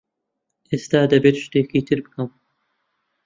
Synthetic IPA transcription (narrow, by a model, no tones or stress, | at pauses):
ʔeːst̪aːd̪ɐbeːt̪ʃt̪eːkiːt̪ʰɨɾbɨkɐm